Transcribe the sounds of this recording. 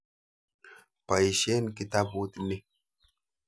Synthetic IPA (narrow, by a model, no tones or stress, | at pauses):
pɐjʃeːnkɪt̪abuːt̪ʼnɪ